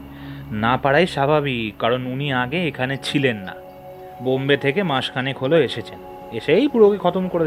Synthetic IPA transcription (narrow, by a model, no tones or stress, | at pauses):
napaɽajʃabʱaβikkaɾonuniaɡeekʰanet͡ɕʰilenːa̰ | bombet̪ʰekemãʃkʰanikʰoloeʃet͡ɕʰen | eʃejpuɾokekʰɔt̪omkoɾe